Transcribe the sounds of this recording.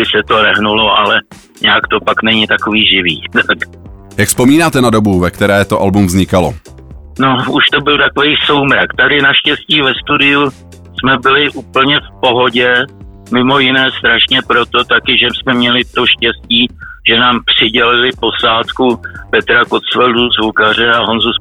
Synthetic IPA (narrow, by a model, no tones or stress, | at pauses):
bɪsɛt̪o̞ɾɛɦnulo̞ʔalɛ | ɲɛakt̪o̞paknɛɲɪt̪akoviːʒɪvḭːt̪ak | jakspomiːnaːt̪ɛnadobuvɛkt̪ɛɾɛːt̪oʔalbumvzɲɪkalo̰ | no̞uʃt̪o̞bɪlt̪akovejso̞wmɾakt̪adɪnaʃcɛsciːvɛst̪udɪju | smɛbɪlɪʔuːpl̩ɲɛfpo̞ɦo̞ɟɛ | mɪmo̞jɪnɛːst̪ɾaʃɲɛpɾo̞t̪o̞t̪akɪʒɛsmɛmɲɛlɪt̪o̞ʃcɛsciːʒ̥ɛnaːmpr̝̥ɪɟɛlɪlɪpo̞saːt̪kupɛt̪ɾako̞t̪t͡sfɛlduzvukar̝ɛaɦo̞nzus